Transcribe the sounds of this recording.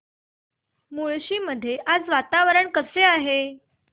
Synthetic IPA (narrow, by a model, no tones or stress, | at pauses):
muɭɕiːməd̪ʱːjeʔad͡zʋat̪aʋəɾəɳkəseaɦe